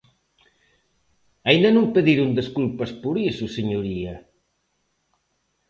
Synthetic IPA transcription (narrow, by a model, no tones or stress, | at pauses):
ɐind̪ɐnõmpeðiɾund̪eskulpɐspuɾisuseɲuɾiɐ